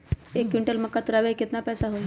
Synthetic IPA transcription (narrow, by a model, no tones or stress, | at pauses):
ekːʋiɳʈəlməkːat̪uɾaʋeket̪napɛjsaɦoj